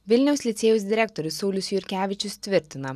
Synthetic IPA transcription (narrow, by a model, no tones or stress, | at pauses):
ʋʲɪlʲnʲɛʊsʲlʲɪt̪sʲeːjʊs̬d̪ʲɪɾʲɛkt̪ɔɾʲʊsːɒʊlʲʊsjʊɾʲkʲæːʋʲɪt͡ʃʲʊst̪ʲʋʲɪɾʲt̪ʲɪnɐ